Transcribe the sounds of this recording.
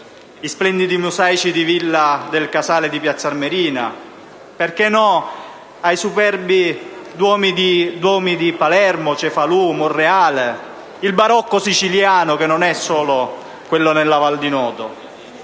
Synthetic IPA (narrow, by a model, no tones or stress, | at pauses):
isplɛnd̪id̪imusajt͡ʃid̪ivilːad̪elkasaːlɪd̪ipjat̪sːarmeɾiːna | perkɛnɔ | ajsupɛrbid̪wɔːmid̪id̪wɔːmid̪ipalɛrmʊt͡ʃɛfaluːmʊrːeaːle | ilbaɾɔkːosit͡ʃiljaːnʊkenːʊnɛsːɔːlʊ | kwelːʊnelːavald̪inɔːt̪o